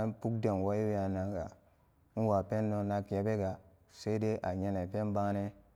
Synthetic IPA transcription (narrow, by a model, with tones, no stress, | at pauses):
npu˦k̚de˨n˨wa˦i˦wja˨na˨ɡa˨˦ | n̩˦wa˨pe˦nːo˦na˦kje˨˦be˦ɡa˨ | se˦i˦de˦ʔa˨ɲe˦ne˨pe˦nba˦ne˦